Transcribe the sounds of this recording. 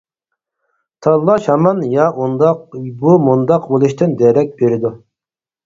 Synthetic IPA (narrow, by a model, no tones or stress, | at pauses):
t̪ʰɑlˠːɑʃhɑmɑnjɑʔond̪ɑbumund̪ɑqbolˠuʃt̪ʰɨnd̪ɛɾɛk̚ʲbeɾɪd̪u